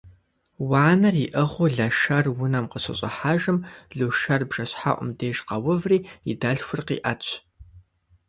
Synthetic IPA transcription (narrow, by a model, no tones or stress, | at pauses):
waːnɐriʔəʁʷʊɮɐʃɐrwʊnɐmqəɕɐ̰ɕʼɐ̰ħaːʒɨmɮuʃɐrbʒ̥ɐɕħa̰ʔʷʼʊ̰mdeːʒqɐwʊvriːidɐɬxʷʊrqḭːʔɐt͡ɕʷʰ